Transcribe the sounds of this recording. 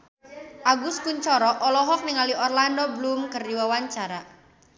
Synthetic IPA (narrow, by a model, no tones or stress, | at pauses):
ʔaɡuskuɲt͡ʃɔɾɔʔɔlɔɦɔk̚niŋaliɔrlandɔblumkərdiwawaɲt͡ʃaɾa